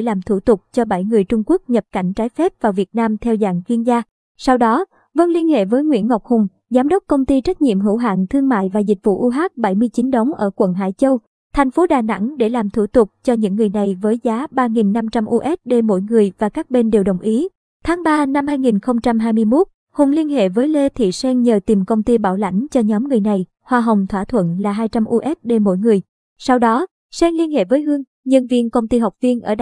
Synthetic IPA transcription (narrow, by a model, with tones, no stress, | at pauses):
laː˨˩mt̪ʰu˧˩t̪ʊ˨˩k͡p̚t͡ɕɔ˧ɓə˧˩jŋɨ˨˩əjt͡ɕʊ˧ŋ͡mku˦˥ək̚ɲə˨˩p̚ka˧˩jŋ̟t͡ɕaː˨˦jfɛ˦˥p̚vaː˨˩wvi˨˩ət̚naː˧mt̪ʰɛ˧wza̰ː˧˨ŋɣi˧ənzaː˧ | sa˧wɗɔ˨˦ | və˧nli˧ənhḛ˧˨vəː˨˦jŋwḭ˧˥ənŋa˨˩wk͡p̚hʊ˨˩ŋ͡m | zaː˨˦mɗə˦˥wk͡p̚kə˧wŋ͡mt̪i˧t͡ɕa˦˥t̚ɲḭ˧˨mɦɨ̰˧˥wɦa̰ː˧˨ŋt̪ʰɨ˧əŋma̰ː˧˨jvaː˨˩zï˨˩k̟̚vṵ˧˨ʔu˧ɦaː˦˥k̚ɓa˧˩jmɨ˧əjt͡ɕi˨˦nɗə˨˦wŋ͡mʔəː˧˩kwə̰˧˨nɦa̰ː˧˩jt͡ɕə˧w | t̪ʰɛ˨˩jŋ̟fo˨˦ɗaː˨˩na̰˧˥ŋɗe˧˩laː˨˩mt̪ʰu˧˩t̪ʊ˨˩k͡p̚t͡ɕɔ˧ɲɨ̰˧˥ŋːɨ˨˩əjna˨˩jvəː˨˦jzaː˨˦ɓaː˧ŋi˨˩nːa˧mt͡ɕa˧mʔu˧ʔɛ˦˥t̚ɗe˧mo̰˧˥jŋɨ˨˩əjvaː˨˩kaː˦˥k̚ɓe˧nɗe˨˩wɗə˨˩wŋ͡mʔi˨˦ | t̪ʰaː˨˦ŋɓaː˧na˧mhaː˧jŋi˨˩nxə˧wŋ͡mt͡ɕa˧mɦaː˧jmɨ˧jmo˦˥t̚ | ho˨˩nli˧ənhḛ˧˨vəː˨˦jle˧t̪ʰḭ˧˨sɛ˧ŋɲəː˨˩t̪i˨˩mkə˧wŋ͡mt̪i˧ɓaː˧˩wla̰˧˨jŋ̟t͡ɕɔ˧ɲɔ˨˦mŋɨ˨˩əjna˨˩j | hwaː˧ɦə˨˩wŋ͡mt̪ʰwaː˧˩t̪ʰwə̰˧˨nlaː˨˩ɦaː˧jt͡ɕa˧mʔu˧ʔɛ˦˥t̚ɗe˧mo̰˧˥jŋɨ˨˩əj | sa˧wɗɔ˨˦ | sɛ˧ŋli˧ənhḛ˧˨vəː˨˦jhɨ˧əŋ | ɲɨ̰˧˩nvḭ˧ənkə˧wŋ͡mt̪i˧ɦa˨˩wk͡p̚vi˧ənʔəː˧˩